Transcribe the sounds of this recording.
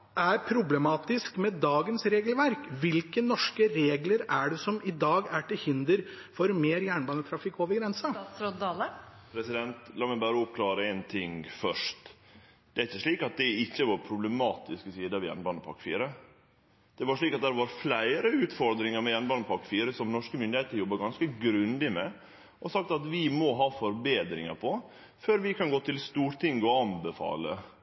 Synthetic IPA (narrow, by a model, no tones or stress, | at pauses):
ʔæɾpʰɾʊblɛmɑːt̪ɪskmɛd̪ɑːɡənsɾeːɡəlʋæɾkʋɪlkənɔʂkəɾeːɡləɾæɖɛsɔmɪd̪ɑːɡæʈɪlhɪnd̪əɾ | fɔɾmeːɾjæːɳbɑːnət̪ʰɾɑfɪkːoːʋəɾɡɾɛnsɑɾɔɑːl | pʰɾɛsɪd̪ɛnt̪lɑməbæɾɔpkʰlɑːɾəɛnt̪ʰɪŋfœʂt̪ | d̪ɛæɾɪçːəʂɭiːkɑt̪̚d̪ɛɪçːəʋɑɾpʰɾʊblɛmɑːt̪ɪsksiːd̪əɑʋɪjɛ̰nbɑnəpʰɑ̰ɾkfiːɾə | d̪̥ɛʋɑʂɭiːkɑt̪̚d̪æɾʋɑɾflæɪɾəʉːt̪fɔɾd̪ɾɪŋəɾmɛjɛnbɑːnːəpʰɑɾkfiːɾəsɔmnɔʂkəmʏnd̪ɪheːt̪əɾəjɔbːəɾɡɑnskəɡɾʉnd̪ɪmɛ | ʔɔsɑk̚t̪ɑt̪ʋɪmɔɦɑːfɔɾbeːd̪ɾɪ̰ŋəɾpʰɔ | føːɾʋɪkʰɑnɡoːt̪ʰɪlst̪uːɾt̪ʰɪŋɡəɔɑnbəfɑ̰ːlə